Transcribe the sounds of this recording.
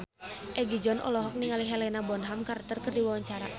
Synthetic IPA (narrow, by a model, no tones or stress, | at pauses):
ʔɛɡid͡ʒɔnʔɔ̰lɔɦɔk̚niŋaliɦɛlɛnabɔnɦamkaɾt̪ərkərdiwawaɲt͡ʃaɾa̰